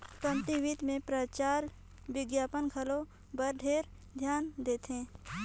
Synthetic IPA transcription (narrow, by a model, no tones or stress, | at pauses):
kə̃nt̪iʋid̪mẽpɾət͡ʃaːɾ | ʋɪɡjaːpənkʰɐlo | bəɾɖʱeːɾ | d̪ʱjaːnd̪eːt̪ẽː